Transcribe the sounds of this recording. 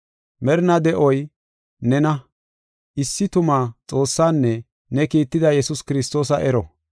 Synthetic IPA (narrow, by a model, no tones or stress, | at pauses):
mɛɾnɐd̪ɛʔɔj | nɛnɐ | ʔɪsːɪt̪ʊmat͡sʼo̞ːsːaːnːɛ | nɛkiːt̪ːɪd̪ɐjɛsʊskɪɾɪst̪o̞ːsɐʔɛɾɔ̰